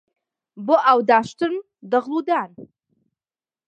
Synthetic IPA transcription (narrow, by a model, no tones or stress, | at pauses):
boʔaːwd̪aːʃt̪ɨɾn | d̪ɐʁlˠuːd̪aːn